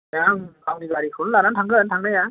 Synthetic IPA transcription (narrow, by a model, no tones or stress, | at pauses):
jaŋkʰawniɡaɾikʰɯnlanantʰaŋɡɯntʰaŋnaja